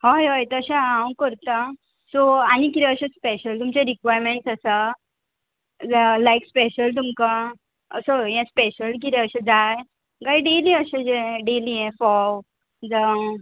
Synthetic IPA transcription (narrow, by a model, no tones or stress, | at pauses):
hɔjɦɔjt̪əɕããw̃kəɾt̪a | soanikit̪ɛəɕaspeɕəlt̪umt͡ɕẽɾikʋajɾmeɳʈsəsa | d͡zlajkspeɕəlt̪̬umka | ə̰sojãspeɕəlk̬it̪ɛəɕãd͡zaj | ɡaiɖeliəɕad͡zeɖeliẽfɔw | d͡za